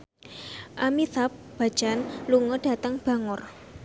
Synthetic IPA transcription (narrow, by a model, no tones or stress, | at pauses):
ʔamiθap̚ | b̥a̤̥d͡ʒ̥anluŋɔɖ̥a̤t̪əŋb̥a̤ŋʊr